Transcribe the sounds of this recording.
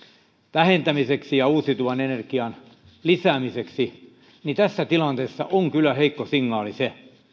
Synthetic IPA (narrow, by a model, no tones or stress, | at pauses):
ʋæhent̪æmiseksijɑuːsit̪uʋɑnenerkiɑn | lisæːmiseksi | nit̪æsːæt̪ilɑnt̪eːsːɑ̰ʔoŋkylːˑæheikːosiŋːɑːlise